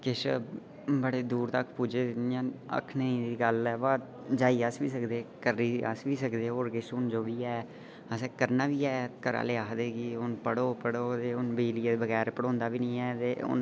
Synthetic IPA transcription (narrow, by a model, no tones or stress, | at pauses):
kɪʃ | bəɽeːd̪uːɾt̪əkʰpuːd͡ʒeːijãːə̰kʰnəĩːd̪iːɡəlɛːbaː | d͡ʒaːiːəsʋiːsəkd̪eːkəɾːiːə̰sʋiːsəkd̪eːɦoːɾkɪʃʊnd͡ʒoːʋiːɛː | əsɛ̃ːkəɾnaːʋiːɛːkəɾa̰ːleːaːɦd̪eːkiːʊnpəɽoːpəɽoːt̪eːʊnbeːliːed̪bəɡɛːɾpəɽõːnd̪aːʋiːnĩːɛːt̪eːʊ̰n